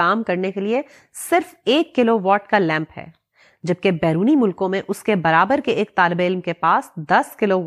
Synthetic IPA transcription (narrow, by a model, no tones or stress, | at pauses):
aːmkɐɾnekelie | sɪɾfeːkːɪloʋɔːʈkalɛ̃ːmpɦɛ̰ː | d͡ʒɐb̚kebɛːɾuːnimʊlkõmẽʔʊskebɐɾaːbəɾkeeːk̚t̪aːlɪbeɪlmkepaːsd̪ɐskɪloʋ